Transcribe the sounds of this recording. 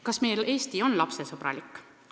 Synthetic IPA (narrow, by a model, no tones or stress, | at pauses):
kɑsme̞jle̞ːst̪io̞nlɑpse̞sɤb̥rɑ̰likːˑ